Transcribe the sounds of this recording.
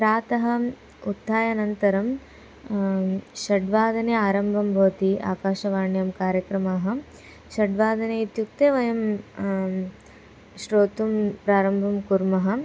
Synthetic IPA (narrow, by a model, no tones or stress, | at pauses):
pɾaːt̪ɐɦɐ̆ | ut̪ːaːjɐnɐnt̪ɐɾɐm | ʃɐɖʋaːd̪ʱɐneːaːɾɐmbʱɐmɾoːt̪iʔa̰ːkaːʃɐʋaːɳjɐmkaːɾjɐkɾɐmaːɦɐ̆ | ʃɐɖʋaːd̪ɐneːit̪juk̚t̪eːʋɐjɐm | ʃɾoːt̪umpɾaːɾɐmbʱɐmkuɾmɐɦɐ̆